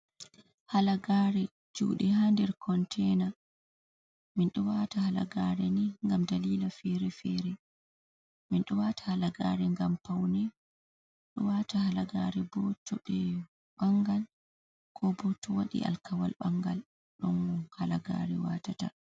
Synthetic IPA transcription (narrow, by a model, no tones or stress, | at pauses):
halaɡaːɾɛ | d͡ʒṵːɗɛhandɛɾkʰɔntʰɛna | minɗɔwatahala̰ɡaɾɛniŋɡamdaliːlafɛɾɛfɛɾɛ | minɗɔwatʰḁhalaɡaːɾɛŋɡampawnɛ | ɗɔwatahalaɡaɾɛbɔtɔɓɛ | ɓaŋɡal | kʰɔbɔtːɔwaɗḭʔa̰lkawa̰lɓaŋɡa̰l | ɗɔnɔhalaɡa̰ɾɛwa̰tata